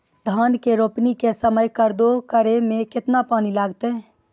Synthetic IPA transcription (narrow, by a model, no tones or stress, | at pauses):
d̪ʱaːnkeɾoːpnikesəməjkəɾd̪okəɾemẽkɪt̪napaːnilaːɡt̪eɦɛː